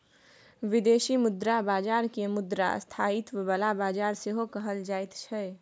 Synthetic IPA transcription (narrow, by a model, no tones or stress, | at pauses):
ʋɪd̪eːʃimʊd̪ɾabaːd͡ʒaːɾkemʊd̪ɾa̰st̪ʰaːɪt̪ʋɪbəlabaːd͡ʒaːɾseɦokəɦəld͡ʒaːɪt̪t͡ʃʰɛ